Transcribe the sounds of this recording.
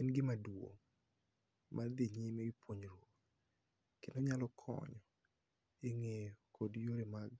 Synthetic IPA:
ɪnɡɪmadwo̰ | mʔad̪iɲimeɡɪpwoɲɾwot | kendoɲalɔkʰɔ̰ɲɔ | eŋejokʰodjoɾemaɡ

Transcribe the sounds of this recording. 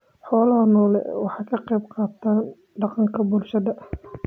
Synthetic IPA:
ħɔːlɐɦɐnɔːlɛ̰wɑħɑːkʰɐqɑjbqɑːt̪ʰaːn | ɖɑqɑŋkʰɐbʊlʃɐðɐʔ

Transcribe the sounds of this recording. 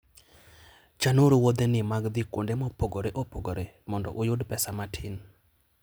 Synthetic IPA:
t͡ʃanuɾwod̪enɪmaɡd̪ɪko̰ndemɔpoɡoɾeʔopoɡoɾemɔndɔ̰ʔʊjʊdpɛsamatʰɪn

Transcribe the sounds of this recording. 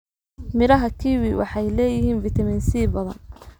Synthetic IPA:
mɪɾɐɦɐkʰiwiwʔɑ̰ħɑjlɛːjɪhiːnvɪt̪ʰɐmɪnsiːbɐðɐ̰n

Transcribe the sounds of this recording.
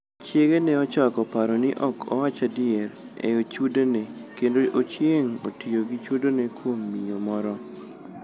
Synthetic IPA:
t͡ʃjeɡenɛɔt͡ʃɔkɔpaɾɔnɪʔɔkʰɔ̰wat͡ʃadɪɛɾ | ḛot͡ʃudonekendoʔot͡ʃjeŋo̰tioɡit͡ʃudonekwomːiomɔɾɔ

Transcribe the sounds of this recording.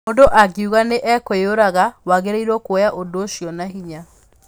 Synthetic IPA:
odoʔaɡeuɣaneʔɛkooɾaɣawaɣeɾeiɾɔkwojaʔodoːʃjɔnaɦiɲa

